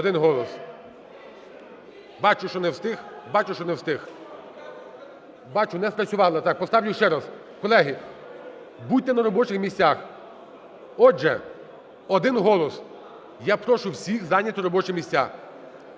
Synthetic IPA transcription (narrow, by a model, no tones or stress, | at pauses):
ɔd̪ɪnɦɔlˠɔs | bɑt͡ʃʊʃt͡ʃɔnɛwst̪ɪxbɑt͡ʃʊʃt͡ʃɔnɛwst̪ɪx | bɑt͡ʃʊnɛspɾɐt͡sʲʊʋɑlˠɪt̪ɑk̚pɔst̪ɑwjʲʊʃt͡ʃɛɾɑs | kɔlˠɛɦi | buj̚ʲt̪ɛnɐɾɔbɔt͡ʃɪxmʲisʲtʲax | ɔʒɛ | ɔd̪ɪnɦɔlˠɔs | japɾɔʃʊwsʲixzɑnʲɐt̪ɔɾɔbɔt͡ʃɪmʲisʲt͡sʲa̰